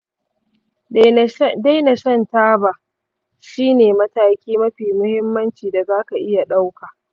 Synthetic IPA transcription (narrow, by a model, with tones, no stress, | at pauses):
da˦jna˨ʃɐ˦ntaː˦ba˨ | ʃiː˦neː˨mɐ˦taː˦kʲiː˦mɐ˦ɸiː˨mʊ˦hɪ˦mːɐ˦nt͡ʃiː˨da˨zaː˦ka˨ʔɪ˦ja˨ɗa˦wka˨ʔ